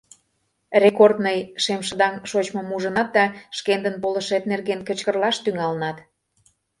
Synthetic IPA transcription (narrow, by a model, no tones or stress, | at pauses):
rekord̪nəjʃemʃə̆d̪ɑŋʃot͡ɕmɤ̆muʒə̆nɑt̪̚d̪ɑʃkend̪ənpolə̆ʃet̪̚nerɣenkə̆t͡ɕkərlɑʃt̪yŋɑlənɑt̪